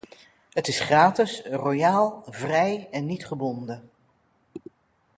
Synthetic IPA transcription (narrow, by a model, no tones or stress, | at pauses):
ɦətɪsχraːtɪsrojaːlˠvrɛjɛnːitχəbɔndə